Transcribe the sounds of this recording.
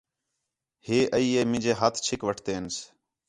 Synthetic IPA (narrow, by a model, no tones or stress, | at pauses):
heːʔəiːeːmɪ̃d͡ʒeːɦət̪ʰt͡ʃʰɪkʋəʈʰt̪eːns